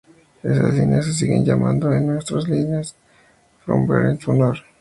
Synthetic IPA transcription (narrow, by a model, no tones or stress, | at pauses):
esaslinases̬iɣenʝamãnd̪oenwest̪ɾoslineas | fɾombḛɾensunoɾ